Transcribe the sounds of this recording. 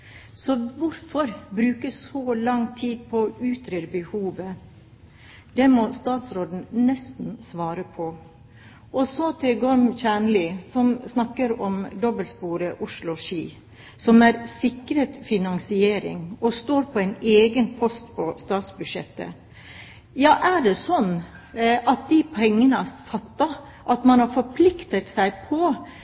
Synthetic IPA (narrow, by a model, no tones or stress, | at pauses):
sɔʋʊɾfɔɾbɾʉːkəsːɔlɑŋt̪ʰiːd̪̚pʰɔʉːt̪ʰɾeːɾbəhuːʋə | d̪̥ɛmɔst̪ɑːt̪sɾoːd̪n̩nɛst̪n̩sʋɑːɾəpʰɔ | ʔɔsɔt̪ʰɪlɡɔɾmçæːɳlɪsɔmsnɑkːəɾɔmd̪ɔbəlspuːɾəʔʊʂlʊʃiː | sɔmæɾsɪkɾət̪fɪnɑŋsɪeːɾɪ̰ŋɔst̪oːɾpʰɔæɪneːɡənpʰɔst̪pʰɔst̪ɑːt̪sbʉd̪ʂɛ̰t̪ːə̰ | jɑːʔæɖɛsɔnː | ʔɑt̪̚d̪ipʰɛŋːənəsɑt̪ːɑ | ʔɑt̪mɑnhɑɾfɔɾpʰlɪkt̪ət̪sæɪpʰɔ